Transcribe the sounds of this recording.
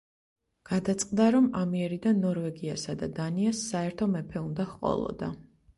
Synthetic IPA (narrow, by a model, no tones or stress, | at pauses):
ɡ̥ad̪at̪sʼqʼd̪aɾɔmamiɛɾid̪anːɔɾvɛɡiasad̪ad̪aniasːaɛɾt̪ʰɔmɛpʰɛund̪ahqʼɔ̰lˠɔ̰d̪a